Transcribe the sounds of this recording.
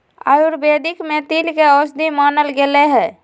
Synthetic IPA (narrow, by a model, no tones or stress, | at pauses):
a̰ːjuɾbed̪ikmẽt̪ilkeɔsd̪ʱimaːnəlɡeleɦɛː